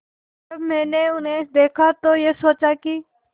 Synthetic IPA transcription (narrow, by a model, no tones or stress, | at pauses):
ɐbmɛ̃ːneʊnɦed̪eːkʰat̪ojesoːt͡ʃaki